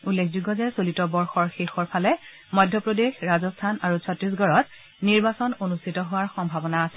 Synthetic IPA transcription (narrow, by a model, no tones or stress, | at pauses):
ulːekʰzuɡɔzɛsolitɔbɔɹxɔɹxexɔɹpʰalɛ | mɔjdʱːjɔpɹodexɹazɔstʰanaɹusʰɔtɹis̬ɡɔɹɔt̚ | niɹbasɔnonustʰitɔɦʊwaɹxɔmbʱabɔnaːsɛ̥